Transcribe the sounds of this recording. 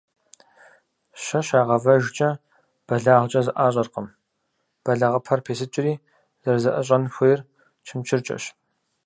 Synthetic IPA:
ɕɐʃaːʁɐvɐʒt͡ʃʼɐ | b̥ɐɮaːʁʷt͡ʃʼɐzɨʔaːɕʼɐrqəm | b̥ɐɮɐʁɐpʰɐrpʰeːsɨt͡ʃʼɪriː | z̥ɐrzɐʔɐɕ̬ʼɐnxʷʊjɪr | t͡ʃʰɪmt͡ʃʰɪrt͡ʃʼɐ̰ɕ

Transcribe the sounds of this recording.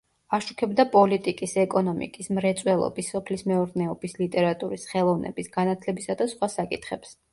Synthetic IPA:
aʃukʰɛbd̪apʼɔlit̪ʼikʼisɛkʼɔnɔmḭkʼismɾɛt̪sʼwɛlˠɔ̰bisːɔpʰlismɛɔɾnɛɔbislit̪ʼɛɾat̪ʼuɾisχɛlˠɔvnɛ̰bisɡ̥anat̪ʰlɛbisad̪asχwasakʼit̪ʰχɛps

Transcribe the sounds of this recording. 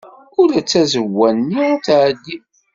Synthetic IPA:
ʊɾæt͡sːæzəwːænːit͡saʕd̪ːi

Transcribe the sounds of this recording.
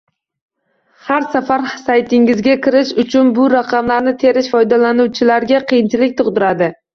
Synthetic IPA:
haɾsafaɾsajt̪ʰɪŋɪzɡʲakʲɪɾɪʃʊt͡ʃʰʊnbʊɾaqʰɑmlaɾnɪt̪ʰe̞ɾɪʃfɒjd̪alanuwt͡ʃʰɪlaɾɡʲaqʰɨjɪnt͡ʃʰɪlɪk̚ʲt̪ʰʊqd̪ɪɾad̪ɪ

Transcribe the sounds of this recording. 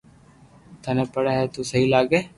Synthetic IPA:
t̪ʰaneːpəɽaːɦɛt̪usəɦilaːɡeː

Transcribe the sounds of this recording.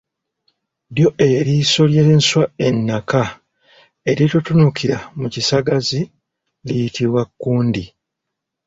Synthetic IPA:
ɾjo̞ʔe̞ɾiso̞ljenswae̞nːaka | e̞ɾitutunukʰiɾamucisaɡazi | lijitʰiβwakːuːndi

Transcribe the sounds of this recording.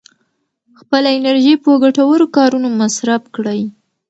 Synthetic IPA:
xpəlaɪnaɾʒipwɡaʈawəɾokɑɾunomasɾabkɽəj

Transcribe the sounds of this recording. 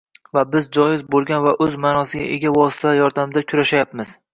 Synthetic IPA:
vabɪzd͡ʒɒjɪzbolˠɡʲanvaʔɵzmaːnɒsɪɡʲa̰ʔḛɡʲavɒsɪ̥t̪ʰajɒɾd̪amɪd̪akʲʰʊɾaʃajapmɪz̥

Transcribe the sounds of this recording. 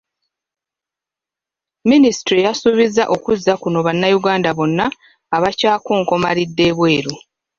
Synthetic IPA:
minisi̥tɾijasuβizaʔo̞kuzːakuno̞βanːajuɡaːndaβo̞nːaː | βacaːkoːŋko̞malidːe̞ːβwe̞ːɾu

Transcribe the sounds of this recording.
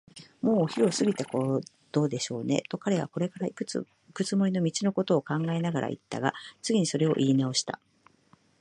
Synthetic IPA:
mo̞ːçiɾo̞sɨɡʲit̪eko̞ | d̪̥o̞ːd̪e̞ɕo̞ːne̞̰t̪o̞kaɾe̞β̞a̰ko̞ɾe̞kaɾaikɯ̟ | ikɯ̟t͡sɨmo̞ɾino̞mʲit͡ɕino̞ko̞t̪o̞ːkãŋɡae̞naɡaɾʔa̰ʔḭt̪ːa̰ɡat͡sɨɡʲiɲ̟iso̞ɾe̞o̞̰ʔiːnao̞ɕi̥t̪a̰

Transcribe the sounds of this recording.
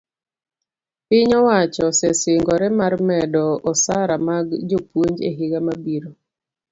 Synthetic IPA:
pɪɲɔwat͡ʃɔsɛsɪŋɡɔɾɛmarmɛdɔɔsaɾamaɡd͡ʒopwoɲd͡ʒḛɦɪɡamabiɾo

